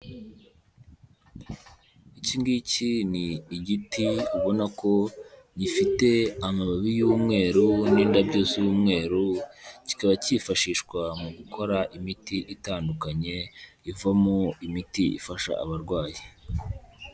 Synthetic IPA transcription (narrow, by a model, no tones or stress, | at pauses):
iciːŋɡiciniːɟitiuβo̞nako̞ɲifite̞amaβaβijuːmŋe̞ːɾuniːndabɟoːsijuːmŋe̞ːɾuci̥kaβacifaʃiːʃkwamuɡukʰo̞ɾaʔimitiʔitaːndukaɲe̞ | ivamoimitiḭfaʃa̰ːβaɾɡwaːji